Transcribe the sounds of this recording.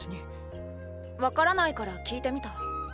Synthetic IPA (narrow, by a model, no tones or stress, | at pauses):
ini | βakaɾanaikaɾakʲiːt̪e̞mʲit̪a